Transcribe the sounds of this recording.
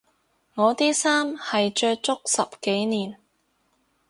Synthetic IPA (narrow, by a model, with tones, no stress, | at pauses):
ŋɔː˨˧t̪iː˥saː˥mhɐ˨jt͡ʃœː˧t͡ʃʊ˥k̚sɐ˨p̚ke˨˥jniː˨n